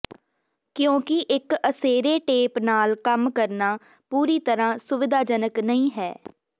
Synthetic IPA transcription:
kjõːkɪʔɪkəseːɾeːʈeːpnaːlkəmkəɾnaː | puːɾiːt̪əɾãːsʊʋɪd̪ʱaːd͡ʒənəknəĩːɦɛ̰ː

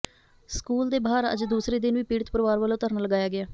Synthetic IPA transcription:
skuːld̪eːbaːɾə̰d͡ʒd̪uːsɾeːd̪ɪnʋiːpiːɽət̪pəɾʋaːɾʋəlot̪əɾənləɡaːjaːɡɪaː

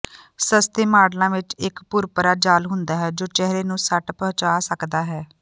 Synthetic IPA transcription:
səst̪eːmaːɽlãːʋɪt͡ʃɪkpʊɾpəɾaːd͡ʒaːlɦʊnd̪aːɦɛːd͡ʒoːt͡ʃɛɦɾeːnũːsəʈpət͡ʃaːsəkd̪aːɦɛː

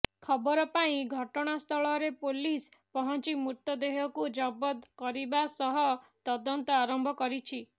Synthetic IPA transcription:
kʰɔbɔɾɔpaĩɡʱɔʈɔɽ̃ast̪ʰɔɭɔɾepolispɔɦɔnt͡ʃimut̪ɔd̪eɦɔkud͡ʒɔbɔt̪kɔɾibasɔɦɔt̪ɔd̪ɔnt̪ɔaɾɔmbʱɔkɔɾit͡ʃʰi

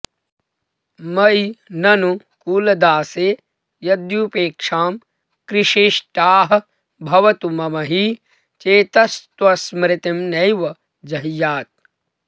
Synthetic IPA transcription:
mɐjnɐnu | kuːlɐd̪aːseː | jɐd̪jupeːkʂaːm | kɾɪʂiːʃʈaːɦɐ̆ | bʱɐʋɐt̪umɐmɐɦi | t͡ʃeːt̪ɐst̪ʋɐsmɾɪt̪imnɐjʋɐ | d͡ʒɐɦjaːt̪̚

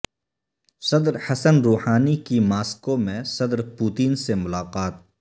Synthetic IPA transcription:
sɐd̪ɾhɐsənɾoːhaːnikimaːskomẽsɐd̪ɾpuːt̪iːnsemʊlaːqaːt̪̚

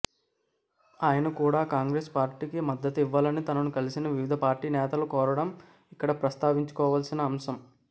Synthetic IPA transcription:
aːjɐnɐkuːɽaːkaːŋɡɾeːspaːɾʈiːkimɐd̪ːɐt̪iʋːɐːlɐnit̪ɐnɐnukɐlisinɐʋiʋid̪ʱɐpaːɾʈiːnɛːt̪ɐlukɔːɾɐɽɐm | ikːɐɽɐpɾɐst̪aːʋiɲt͡ʃu̥kɔːʋaːlsinɐːmsɐm

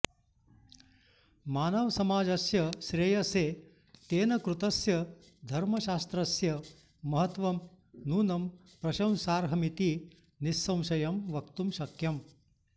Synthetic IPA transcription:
maːnɐʋɐsɐmaːd͡ʒɐsjɐʃɾejɐseː | t̪eːnɐkɾut̪ɐsjɐ | d̪ʱɐɾmɐʃaːst̪ɾɐsjɐ | mɐɦɐt̪ʋɐm | nuːnɐm | pɾɐʃɐ̃w̃saːɾɦɐmit̪i | nisːɐ̃w̃ʃɐjɐmʋɐkt̪umʃɐkjɐm

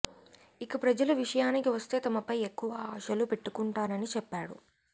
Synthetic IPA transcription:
ikɐpɾɐd͡ʒɐlɐʋiʂɐjaːnikiʋɐst̪e̞ːt̪ɐmɐpɐjekːuʋɐaːʃɐlupe̞ʈːukuɳʈaːnɐnit͡ʃɛpːaːɽṵ

